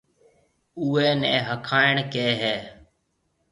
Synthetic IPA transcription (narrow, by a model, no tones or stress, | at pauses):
uːɛːnɛ̃ːɦəkʰaːɪɳkeːɦɛː